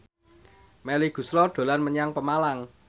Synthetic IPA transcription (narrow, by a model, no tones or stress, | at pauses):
mɛliɡ̥ṳslɔɖ̪̥o̤lanməɲaŋpəmalaŋ